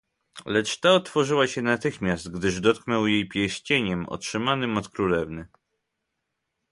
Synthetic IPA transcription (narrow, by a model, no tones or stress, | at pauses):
lɛt͡ʂt̪aɔt̪fɔʐɘwaɕɛnat̪ɘxmʲjast̪ɡd̪ɘʐd̪ɔt̪̚knɔwjejpʲjɛɕt͡ɕeɲɛmɔ̰tʂɘmanɘmɔt̪kɾulɛvnɘ